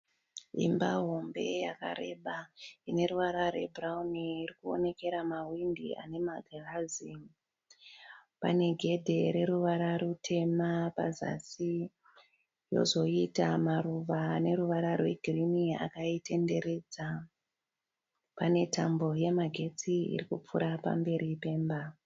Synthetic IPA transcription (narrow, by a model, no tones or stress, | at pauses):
ḭmbaɦo̞mbe̞̰jaka̰ɾe̞ɓaine̞ɾuʋaɾarwe̞̰bʱrauniːrikuo̞̰ne̞ke̞ɾamawindḭa̰ne̞maɡʱarazi | pa̰ne̞ɡʱe̞dʱe̞ɾe̞ɾuʋaɾarutʰe̞mapa̰za̰si | jo̞̰zo̞itamaruʋaːne̞ɾuʋaɾarwe̞ɡʱrinia̰kaite̞nde̞ɾe̞d͡za | pane̞tʰambo̞je̞maɡʱe̞t͡siḭrikup͡fṵɾapa̰mbe̞ɾipe̞ːmba